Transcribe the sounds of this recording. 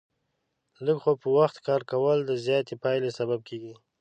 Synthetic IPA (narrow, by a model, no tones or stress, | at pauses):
ləɡxopəwaxt̪kɑɾkawəld̪əzjɑt̪epɑjlesabab̚kʰeɡi